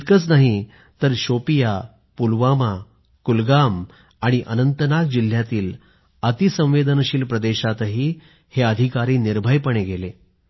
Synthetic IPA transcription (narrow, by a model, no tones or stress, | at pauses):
t̪kət͡snaɦi | t̪əɾɕopija | pulʋama | kulɡamː | ɽ̃iʔənənt̪nak̚d͡ʑil̤ːjat̪iːl | ət̪isə̃w̃ʋed̪ənəɕiːlpɾəd̪eɕat̪ɦiː | heəd̪ʱikaɾiːniɾbʱəjpəɳeɡʱele